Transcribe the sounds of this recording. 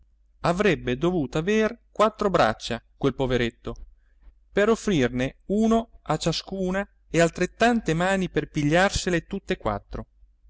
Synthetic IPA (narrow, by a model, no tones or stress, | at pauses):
avɾɛbːed̪ovuːt̪oaveːrkwat̪ːɾobɾa̰t͡ʃːakwelpoveɾet̪ːo | peɾofːɾirneuːnoat͡ʃːaskuːna | ealt̪ɾet̪ːant̪emaːniperpiʎːarselet̪ut̪ːekwa̰t̪ːɾo